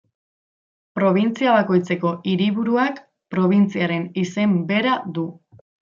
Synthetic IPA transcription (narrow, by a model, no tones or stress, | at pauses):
pɾo̞β̞int͡siaβ̞ako̞jt͡se̞ko̞ʔiɾiβ̞uɾuak | pɾo̞β̞int͡siaɾe̞nise̞mbe̞ɾaðu